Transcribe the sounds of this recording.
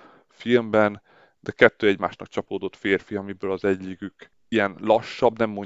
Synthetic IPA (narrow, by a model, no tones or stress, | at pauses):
filmbɛn | d̪̥ɛkɛt̪ːøːɛɟma̰ːʃnɒkt͡ʃɒpoːd̪o̞t̪feːrfiɒmibøːlɒzɛɟːiɡyk | ijɛnlɒʃːɒbnɛmːo